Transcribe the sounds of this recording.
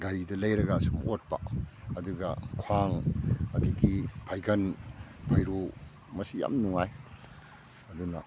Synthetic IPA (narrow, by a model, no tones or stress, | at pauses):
ɡaɾidɐlɐjɾɐɡasumot̚pa̰ɐduɡɐkʰwaŋɐdiɡipʰajɡɐnpʰajɾo | mɐsija̰mnuŋaj | ɐdunɐ